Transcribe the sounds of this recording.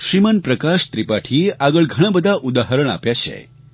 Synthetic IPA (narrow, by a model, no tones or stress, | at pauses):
ʃɾimənpɾəkaʃt̪ɾipaʈʰiːaɡəɭɡʱəɽ̃abəd̪ʱaʔud̪aɦəɾəɳ̃a̰pjaɕḛ